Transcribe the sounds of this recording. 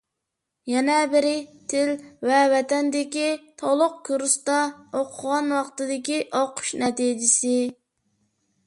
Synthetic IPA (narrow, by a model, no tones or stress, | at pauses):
jɛnɛbɪɾɪt̪ʰɪlvɛvɛt̪ɛnd̪ɪkʲit̪ʰɑlˠʊq̚kʰoɾust̪ɑoqʰʊʁɑnwɑqt̪ɨd̪ɪkʲiʔoqʰʊ̥ʃnɛt̪iːd͡ʒɪsɪ